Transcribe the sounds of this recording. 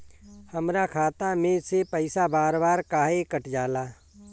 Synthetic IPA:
həmɾakʰaːt̪amẽsepəɪsabaːɾbaːɾkaːɦekəʈd͡ʒaːlaː

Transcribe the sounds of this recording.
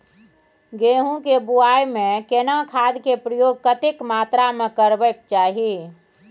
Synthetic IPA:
ɡeɦũkebuaːjmẽkenakʰaːd̪kepɾəjoːɡ̚kət̪ɪkmaːt̪ɾamẽkəɾbək̚t͡ʃaːɦi

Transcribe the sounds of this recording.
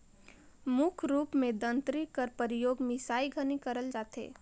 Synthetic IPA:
mʊkʰɾuːpmẽd̪ə̃nt̪ɾikəɾpəɾɪjoːɡmɪsaːiɡʱənikəɾəld͡ʒaːt̪ḛː

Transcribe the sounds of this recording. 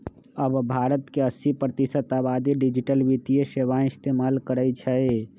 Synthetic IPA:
əbbʱaɾət̪keəsipɾət̪isət̪abad̪iɖid͡ʒiʈəlbit̪ijeseʋaist̪emalkəɾət͡ʃʰəj

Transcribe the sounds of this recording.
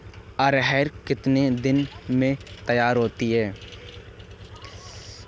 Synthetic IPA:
ɐɾɦɛːɾkɪt̪ned̪ɪnmẽt̪əjaːɾɦoːt̪iɦɛː

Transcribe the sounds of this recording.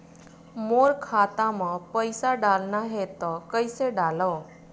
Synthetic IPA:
moːɾkʰaːt̪amãpəɪsaɖaːlnaɦet̪ɔkəɪseɖaːloː

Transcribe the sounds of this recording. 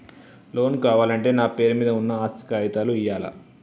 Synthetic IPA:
lo̞ːnkaːʋaːlɐɳʈe̞ːnaːpeːɾumiːd̪ɐunːɐaːst̪ʰi̥kaːʋit̪aːluijaːlɐ̰

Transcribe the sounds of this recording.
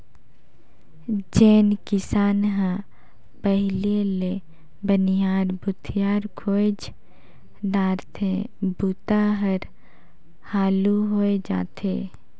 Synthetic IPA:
d͡ʒeːnkɪsaːnɦã | pəɦɪlele | bənijaːɾbʊt̪ʰɪjaːɾkʰoːd͡ʒ | ɖaːɾt̪ʰẽbuːt̪aɦəɾ | haːluɦoːed͡ʒa̰ːt̪ʰḛː

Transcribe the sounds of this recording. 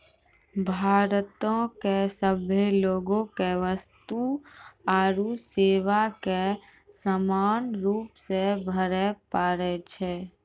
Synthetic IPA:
bʱaːɾt̪õkesəbʱeloːɡõkeʋəst̪uaːɾuseːʋake | səmaːnɾuːpsebʱəɾɛpaːɾɛt͡ʃʰɛː

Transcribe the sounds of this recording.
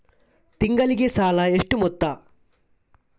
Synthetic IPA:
t̪iŋɡɐliɡesaːlɐeʂʈumɔt̪ːɐ

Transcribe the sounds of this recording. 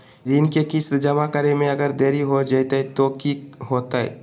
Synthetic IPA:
ɾiːnkekɪst̪d͡ʒəmakəɾemẽɐɡəɾd̪eːɾiɦod͡ʒajt̪aɦɛt̪okiɦoːt̪aɦɛ̰

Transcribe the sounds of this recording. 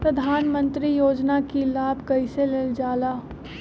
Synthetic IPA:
pɾɐd̪ʱaːnmə̃nt̪ɾijoːd͡ʒnakilaːbʱkɐiseleld͡ʒaːlaː

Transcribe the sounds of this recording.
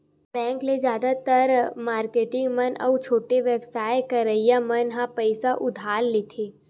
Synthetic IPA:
bɛ̃ːŋkned͡ʒjaːd̪at̪əɾmaːɾkeːʈɪ̃ŋɡmənʔə̰wt͡ʃʰoːʈeʋebsaːjkɐɾəijamənɦãpəɪsaʔʊd̪ʱaːlːeːt̪ʰeː

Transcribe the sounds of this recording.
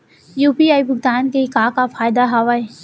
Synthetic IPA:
juːpiːaːibʱʊɡd̪aːnkeɪkaːkafaːjd̪aɦaːʋae

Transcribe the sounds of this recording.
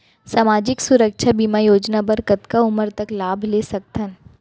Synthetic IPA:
saːmaːd͡ʒɪksʊɾəkʃʰabiːmajoːd͡ʒnabɐɾkət̪kaʊməɾt̪ɐklaːbʱleːsɐk̚t̪ʰən

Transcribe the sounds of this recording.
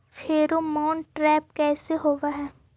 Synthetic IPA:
fʰeːɾomɔːnʈɾɛːp̚kɛːseɦoːʋaɦɛː

